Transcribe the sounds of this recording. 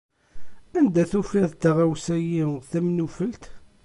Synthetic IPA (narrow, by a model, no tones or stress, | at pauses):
ænd̪æθufiðt̪ːʁawsæjiθæmnufəlt̪